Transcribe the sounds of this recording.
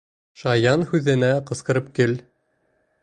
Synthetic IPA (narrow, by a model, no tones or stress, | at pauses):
ʃɑjɑnhʉðɘ̆næqɤ̆sqɤ̆ɾɤp̚kɘl